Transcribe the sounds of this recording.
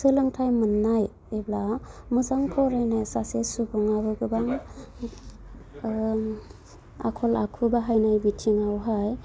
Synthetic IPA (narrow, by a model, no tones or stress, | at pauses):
sɯlɯŋtʰajmɯnːaj | eblamɯzaŋkʰɔɾajnajsasesubɯŋabɯɡɯbaŋ | a̰kʰɔla̰kʰubaɦajnajbitʰiŋawɦaj